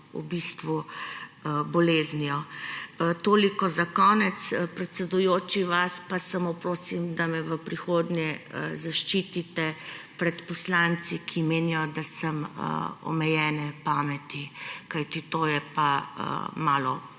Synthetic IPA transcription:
ṵbist̪ʋu | bɔleːzniɔ | t̪oːlikɔzakɔːnɛt̪spɾɛt̪sɛd̪ujoːt͡ʃiʋaspasamopɾoːsimd̪amɛʋəpɾixoːd̪njɛəzaʃt͡ʃiːt̪it̪ɛpɾɛt̪pɔslant̪sikʰimeːnijɔd̪asəmə̰ɔ̰mɛjɛːnɛpaːmɛt̪ikajt̪it̪oːjɛpa̰ | maːlɔ̰

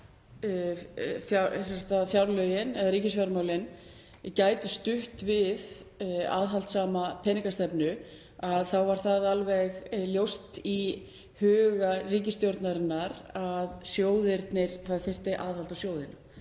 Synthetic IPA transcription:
fjasɛsat̪aðfjawɾlœjɪnɛðaɾiːcɪsfjaɾmawlɪn | caːjt̪ʏst̪ʏht̪vɪð | a̰ðɦalt̪saːmapʰɛːniŋkast̪ɛpnʏ | aðθawvaɾ̥θaðalvɛɣljowst̪i | hœːɣariːcɪst̪jowɾt̪naɾɪnːaɾaðsjoːwðɪɾt̪nɪɾ̥θaðθɪr̥t̪ɪʔaðhalt̪asjoːwðɪna

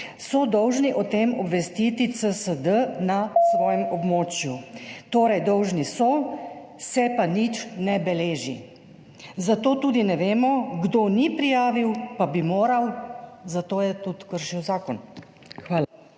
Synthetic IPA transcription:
sɔd̪ɔwʒniʔɔt̪eːmɔbʋɛst̪iːt̪it̪səsəd̪ənasʋɔːjɛmɔbmoːt͡ʃjut̪oːɾɛjd̪ɔwʒnisɔ | sɛpanit͡ʃnɛbɛleːʒḭ | zat̪oːt̪uːd̪inɛʋeːmɔɡd̪onipɾijaːʋiwpabimoːɾawzat̪oːjɛt̪ut̪kəɾʃiwzaːkɔn | xʋaːla

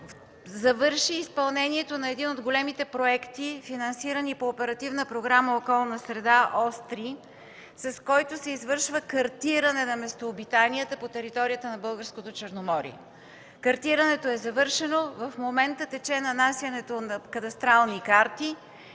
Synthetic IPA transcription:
zɐvɤɾʃiːspɐlˠnɛniɛt̪onɐɛd̪inod̪ɡolɛmit̪ɛpɾoɛkt̪ifinɐnsiɾənipoːpɛɾɐt̪ivnəpɾoɡɾaməokɔlˠnəsɾɛd̪aʔɔst̪ɾi | sɐskɔjt̪osɛizvɤɾʃvəkɐɾt̪iɾənɛnɐmɛst̪oːbit̪aniət̪əpot̪ɛɾit̪ɔɾijət̪ənɐbɤlˠɡəɾskot̪ot͡ʃəɾnomɔɾḭɛ̰ | kɐɾt̪iɾənɛt̪oɛzɐvɤɾʃɛnovɐfmomɛnt̪ət̪ɛt͡ʃɛnɐnasjɐnɛt̪onɐkɐt̪ɐst̪ɾalˠnikaɾt̪i

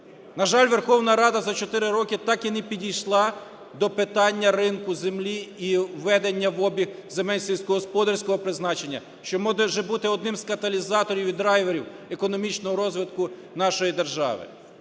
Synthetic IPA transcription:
nɐʒɑlʲʋerxɔwnɐɾɑd̪ɐzɐt͡ʃɔt̪ɪɾɪɾɔkʲɪt̪ɑkinɛpʲidʲijʃlˠɑ | d̪ɔpɪt̪ɑnʲːɐrɪnkʊzemlʲiiʋːɛd̪enʲːɐʋɔbʲiɣzemɛlʲsʲisʲkɔɦɔspɔd̪ɐrsʲkɔɦɔpɾɪznɑt͡ʃenʲːɐ̰ | ʃt͡ʃɔmɔd̪ɛʒɛbut̪ɪɔd̪nɪmzkɐt̪ɐlʲizɑt̪ɔɾʲiwʲid̪ɾɑjʋeɾʲiwekɔnɔmʲit͡ʃnɔɦɔɾɔzʋɪd̪kʊ | nɑʃɔjid̪e̞rʒɑ̰ʋɪ̰

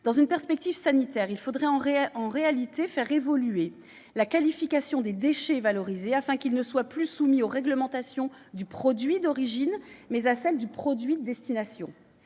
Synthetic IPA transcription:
d̪ɑ̃zynpɛʁspɛk̚t̪ivsanit̪ɛːʁilfod̪ʁɛɑ̃ʁɑ̃ʁealit̪efɛʁevɔlye | lakalifikasjɔ̃d̪ed̪eʃɛvalɔʁizeafɛ̃kilnəswaplysumioʁɛɡləmɑ̃t̪asjɔ̃ | d̪ypχɔd̪ɥid̪ɔʁiʒinmɛzasɛld̪ypχɔd̪ɥid̪əd̪ɛst̪inasjɔ̰̃

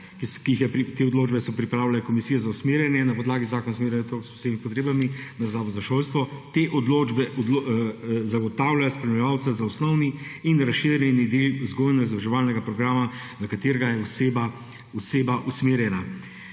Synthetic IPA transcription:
kiixjɛpɾit̪eːɔd̪loːd͡ʒbɛsɔpɾipɾaːwlalɛkomisijɛzausmeːɾjɛnjɛnapɔd̪laːɡizaːkɔnasmeːɾjɛnat̪okspo̥seːmipɔt̪ɾeːbaminazaːʋɔzaʃolst̪ʋɔt̪eʔɔd̪loːd͡ʒbɛʔɔd̪lozaɡɔt̪awlajaspɾɛmilɛʋaw̪sazausnɔwniːnɾasʃiɾjɛnid̪eluzɡoːjnɛɡzʋaʒɛʋaːlnɛɡapɾɔɡɾaːma | nɐkat̪eːɾɛɡajɛuseba | useːbaʔusmeːɾjɛna

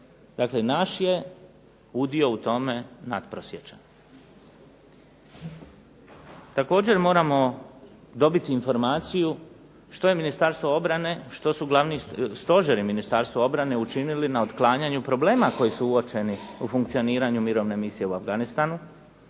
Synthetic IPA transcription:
d̪aklenaʃje̞ | ud̪io̞ut̪o̞me̞nad̪pɾosjet͡ʃan | t̪ako̞ːd͡ʑe̞ɾmo̞ːɾamo̞ | d̪o̞bit̪iːnfo̞ɾmaːt̪siju | ʃt̪o̞je̞minist̪aɾst̪ʋoo̞bɾane̞ʃt̪o̞suɡlˠaʋniːst̪o̞ʒeɾiminist̪aɾst̪ʋoo̞bɾane̞ut͡ʃinilinaot̪klˠaːɲaɲupɾo̞ble̞ːmako̞jisuuot͡ʃe̞niufuŋk̚t̪sijo̞niːɾaɲumiɾo̞ʋne̞misije̞uafɡanist̪anu

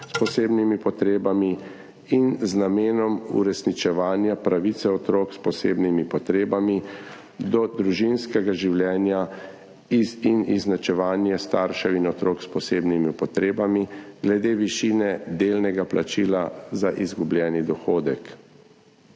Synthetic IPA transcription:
spɔseːbnimipɔt̪ɾeːbami | inznameːnɔmṵɾɛsnit͡ʃɛʋaːnjapɾaʋit̪sɛɔt̪ɾoːkspɔsḛːbnimipɔt̪ɾeːbami | d̪ɔd̪ɾuʒinskɛɡaʒiwljɛːnja | iiniznat͡ʃɛʋaːnjɛst̪aːɾʃɛinɔt̪ɾoːkspɔseːbnimipɔt̪ɾeːbamiɡlɛd̪eːʋiʃiːnɛd̪eːlnɛɡaplʔat͡ʃiːlazaʔizɡublʲjɛːnid̪ɔxoːd̪ɛk

